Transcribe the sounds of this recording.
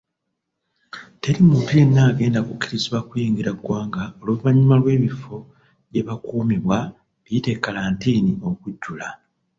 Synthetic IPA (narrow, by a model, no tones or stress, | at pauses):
te̞ɾimumpienːaːɡe̞ːndakukːiɾiziβakujiːŋɡiɾaɡwaːŋɡaoluβaɲimalwe̞ːβifo̞ | ɟe̞βakuːmiβwa | βite̞kːalaːntiːnio̞kuɟːula